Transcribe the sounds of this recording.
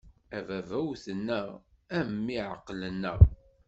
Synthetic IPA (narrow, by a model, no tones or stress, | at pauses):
ævævæwθənːəʁ | æmmːiʕə̰qːlənːə̰ʁ